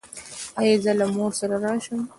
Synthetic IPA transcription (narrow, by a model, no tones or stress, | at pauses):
ɑjɑzəlamoɾsaɾaɾɑːʃəm